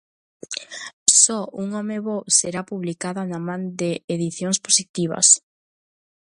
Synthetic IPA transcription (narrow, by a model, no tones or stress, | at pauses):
sɔuŋɔmeβowseɾapuβlikaðanamãnd̪eːðiθjoŋsposit̪iβ̞ɐ̰s